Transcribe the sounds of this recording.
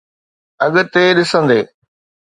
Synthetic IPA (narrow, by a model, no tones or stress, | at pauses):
ɐɠ̆t̪eːɗɪsə̃nd̪eː